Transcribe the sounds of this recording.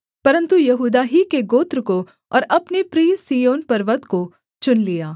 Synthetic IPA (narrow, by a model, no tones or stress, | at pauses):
pɐɾə̃nt̪ujɐɦuːd̪aɦikeɡoːt̪ɾko | ɔ̰ːɾɐpnepɾiːsiːjoːnpɐɾʋət̪ko | t͡ʃʊnlijaː